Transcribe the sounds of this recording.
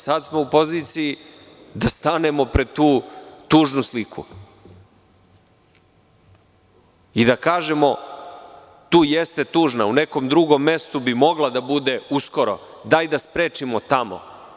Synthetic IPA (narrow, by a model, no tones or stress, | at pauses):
sad̪smo̞upo̞ziːt̪siji | d̪ast̪ane̞mo̞pɾe̞dt̪uːt̪uːʒnuslikʰṵ | id̪akaːʒemo̞ | t̪uːjest̪e̞t̪uːʐnauneko̞md̪ɾuɡo̞mːe̞st̪ubimo̞ɡlad̪abud̪e̞usko̞ɾo̰d̪ajd̪aspɾeːt͡ʃimot̪amo̰